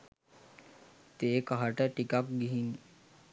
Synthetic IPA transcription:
t̪eːkɐɦɐʈeʈikak̚ɡiɦiŋ

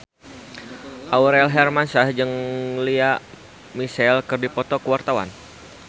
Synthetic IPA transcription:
ʔauɾɛlɦɛrmansahd͡ʒɨŋliaʔ | misɛlkɨrdipɔt̪ɔkəwart̪awa̰n

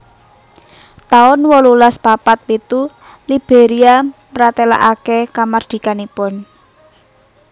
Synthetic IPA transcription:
t̪aʊnwɔlulaspapat̪̚wit̪u | lib̥eɾiamɾat̪ɛla̰ʔakekamard̪̥i̤kanipɔn

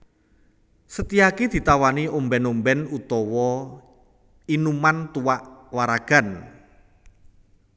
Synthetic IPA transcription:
sət̪iakid̪̥i̤t̪awaniʔombɛnombɛnut̪ɔwɔ | inumant̪uwaʔwaɾaɡ̥a̤n

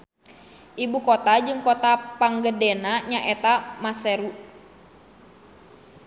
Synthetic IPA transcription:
ʔibukɔt̪ad͡ʒɨŋkɔt̪apaŋɡədɛnaɲaʔɛt̪amasɛɾu

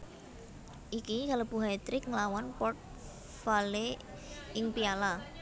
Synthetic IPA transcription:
ʔikikaləb̥ṳɦajt̪ɾɪk̚ŋlawanpɔrt̪̚ | fale | ʔɪŋpiala

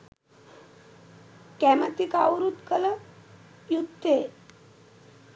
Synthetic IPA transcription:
kæmət̪ikawɾut̪kələ | jud̪e

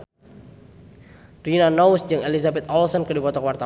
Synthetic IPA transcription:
rinanɔwsd͡ʒɨŋelizabɛt̪ɔlsɔnkɨdipɔt̪ɔkwart̪a

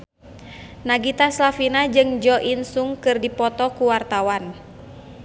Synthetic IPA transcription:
naɡit̪aslafinad͡ʒɨŋd͡ʒɔʔinsuŋkɨrdipɔt̪ɔkuwart̪awan

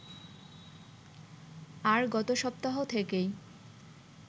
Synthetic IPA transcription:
aɾɡɔt̪oʃɔp̚t̪aɦot̪ʰekej

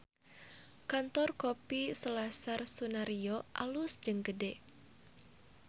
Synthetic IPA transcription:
kant̪ɔrkopisəlasarsunaɾioʔa̰lusd͡ʒɨŋɡədɛ

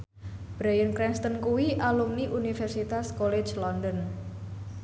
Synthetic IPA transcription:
b̥ɾajənkɾɛnst̪ənkuwiʔalumniʔunifɛrsit̪askole̥d͡ʒlɔndɔn

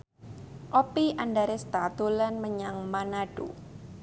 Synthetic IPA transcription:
ʔɔpiʔandaɾest̪at̪ulanməɲaŋmanaɖ̥ṵ

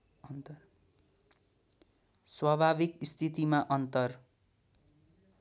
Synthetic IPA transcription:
nt̪ | swabʱabikist̪ʰit̪imaʔʌnt̪ʌr

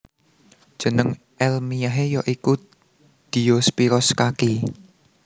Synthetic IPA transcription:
d̥ʒ̥ə̤nəŋ | ʔɛlmijaɦejɔʔiku | d̪̥i̤jospiɾɔskaki

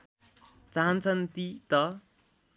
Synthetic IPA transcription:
t͡saɦant͡sʰʌnt̪it̪ʌ

